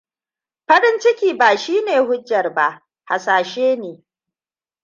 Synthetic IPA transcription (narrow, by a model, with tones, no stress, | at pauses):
ɸɐ˦ɾɪ˦nt͡ʃɪ˦kʲiː˨baː˨ʃiː˦neː˨hʊ˦d͡ʒːɐ˨rba˦˨ʔ | ha˨saː˨ʃeː˦neː˨